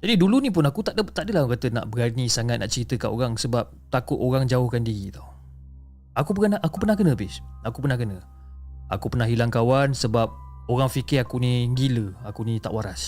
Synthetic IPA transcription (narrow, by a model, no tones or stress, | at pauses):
d͡ʒadidulunĩp̬ʊnakut̪aʔdət̪aʔdəlakat̪əna̰ʔbəɾanisaŋat̪̚naʔt͡ʃəɾit̪əkaʔoɣaŋsəbap̚t̪akʊt̪oɾaŋd͡ʒaʊhkandiɣit̪o | akupəənaakupənahkənə̃bɪsakupərnahkənə | a̰kupərnaɦilaŋkawansəbap̚oɾaŋfikɪakuniŋɡiləakunit̪a̰ʔwaɾas